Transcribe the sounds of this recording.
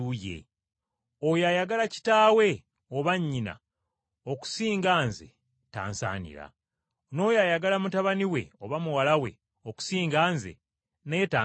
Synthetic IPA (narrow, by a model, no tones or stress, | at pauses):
ujḛ | ojajaɡalaci̥taːwe̞ | oβaɲːina̰ | o̞ku̥siːŋɡaːnze̞̰ | ta̰ːnsa̰ːnḭɾa̰ | no̞ːjajaɡalamutaβaniwe̞̰oβamuwalawe̞̰ | oku̥siːŋɡaːnzḛ | netaː